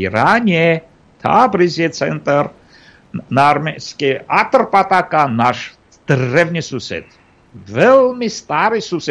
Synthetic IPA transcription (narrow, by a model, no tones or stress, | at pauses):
iɾanʲɛ | t̪ʰa̰bɾizet̪t͡sʰɛ̰nt̪əɾ | narmɛskiat̪ərpʼat̪akanaʃ | d̪̥ərːɛvnisusɛ̰t̪ | vɛlmist̪aɾisusɛ